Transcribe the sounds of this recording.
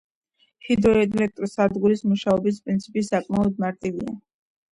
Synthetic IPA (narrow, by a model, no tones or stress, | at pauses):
hid̪ɾɔɛd̪ʼlɛk̚t̪ʼɾɔsad̪ɡuɾismuʃaɔbis̬pʼɾint̪sʰipʼisakʼmaɔd̪̚maɾt̪ʼivia̰